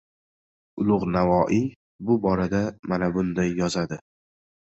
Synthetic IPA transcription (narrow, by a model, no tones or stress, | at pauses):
ʊlˠʊʁnavɒʔi | bʊbɒɾad̪amanabʊnd̪ajjɒzad̪ɪ